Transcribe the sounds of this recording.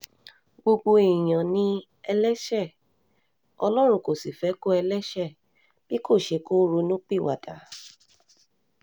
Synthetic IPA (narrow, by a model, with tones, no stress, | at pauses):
ɡ͡bo˧ɡ͡bo˧i˨j̃ã˨nĩ˧ | ɛ˧lɛ˦ʃɛ˦˨ | ɔ˧lɔ˦ɾ̃ũ˦˨ko˨si˨fɛ˨˦ko˦ɛ˧lɛ˦ʃɛ˦˨ | b̥i˦ko˦˨ʃe˨˧˦ko˦ɾu˧nũ˦k͡pi˦˨wa˨da˨˦